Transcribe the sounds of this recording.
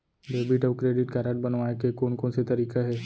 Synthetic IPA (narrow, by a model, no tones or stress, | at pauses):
beːbɪʈɔːʋkɾeːɖɪʈkaːɾaʈ̚bɐnʋaːekekoːnkõnset̪ɐɾiːkaɦɛː